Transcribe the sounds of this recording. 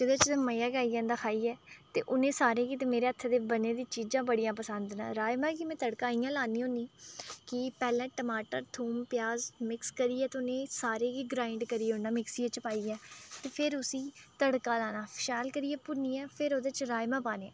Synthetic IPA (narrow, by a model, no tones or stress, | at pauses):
d͡ʒɪd̪eːt͡ʃd̪eːməjaːɡaːiːãːnd̪aːkʰaːiːɛːt̪eːʔʊnẽːsaːɾẽːkiːt̪eːmeːɾeːət̪ʰːd̪eːbəneːd̪ĩːt͡ʃiːd͡ʒãːbəɽijãːpəsənd̪na̰ːɾaːjmãːkimɛ̃ːt̪əɽkãːijãːlaːniːɦõniːkɪpɛːlɛ̃ːʈəmaːʈəɾt̪ʰuːmpjaːzmɪkskəɾiːɛːt̪eːʊnẽːsaːɾeːɡiːɡɾaːɪɳɖkəɾiːeːʊnaːmɪksiːeːt͡ʃəpaːiːɛːt̪eːpʰɪɾʊsĩːt̪əɽkãːlaːnaːpʰɪʃaːlkəɾiːɛːpʊniːɛːpʰɪɾoːd̪eːt͡ʃɾaːjmãːpaːneː